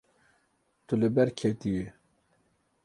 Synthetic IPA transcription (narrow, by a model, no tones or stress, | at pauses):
t̪uləbɛɾkʰet̪iwe